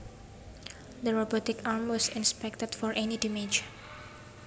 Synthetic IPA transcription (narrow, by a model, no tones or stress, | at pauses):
d̪əɹobɔtɪkaɹmwɔsɪ̃nspɛk̚təd̥fɔɹʔɛnidimed͡ʒ